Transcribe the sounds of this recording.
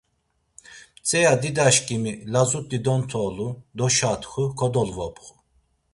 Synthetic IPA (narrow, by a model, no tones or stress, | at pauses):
t͡sʼɛjad̪id̪aʃkʼimilazut̪ʼːid̪ɔnt̪ʰɔːlud̪ɔʃat̪xukʰɔd̪ɔlvɔpʰʼχu̥